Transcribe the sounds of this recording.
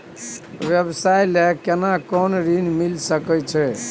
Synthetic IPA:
ʋjəbsajlekenakɔnɾinmilsəkɛt͡ʃʰɛ

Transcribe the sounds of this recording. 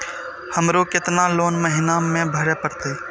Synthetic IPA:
həmɾokɪt̪naloːnməɦɪnamẽbʱəɾepəɾt̪eː

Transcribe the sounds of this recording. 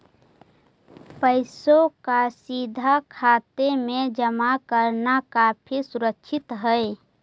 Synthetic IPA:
pəɪsokasid̪ʱakʰaːt̪emẽd͡ʒəmakəɾnakaːpʰisuɾəkʃʰɪt̪ɦəɪ

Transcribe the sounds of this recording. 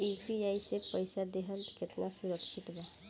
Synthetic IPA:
ipiaːisepəɪsad̪eɦənkɪt̪nasʊɾəkʃɪt̪bɛ

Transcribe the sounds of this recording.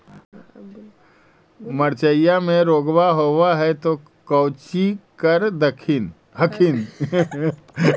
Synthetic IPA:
məɾt͡ʃəjamẽɾoːɡwaɦowaɦɛt̪o | kəʊt͡ʃikəɾd̪əkʰɪn | ɦəkʰɪn

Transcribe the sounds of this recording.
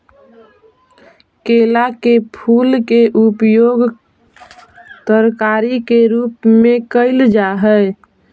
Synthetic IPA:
kelakepʰulkeʔupjoɡ | t̪əɾkaɾikeɾupmekəɪld͡ʒaɦəj

